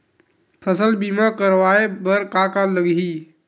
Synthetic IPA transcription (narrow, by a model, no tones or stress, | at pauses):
pʰəsəlbiːmãkəɾwaːebəɾkakaləɡɦiː